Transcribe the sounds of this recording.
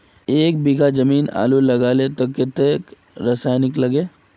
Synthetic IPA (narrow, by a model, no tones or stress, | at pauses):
eːk̚biɡʱad͡ʒɐmiːna̰ːlulɐɡaːlet̪ɐkːɪt̪ek | ɾasaːjnɪklɐɡeː